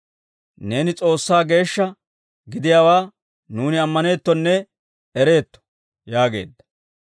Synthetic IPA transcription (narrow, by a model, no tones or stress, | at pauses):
ne̞ːnɪt͡sʼo̞ːsːaːɡe̞ːʃːɐ | ɡɪd̪ɪjaːwaː | nuːnɪɐmːɐne̞ːt̪ːɔnːɛ | ɛɾe̞ːt̪ːɔ̥ | jaːɡe̞̰ːd̪ːɐ̥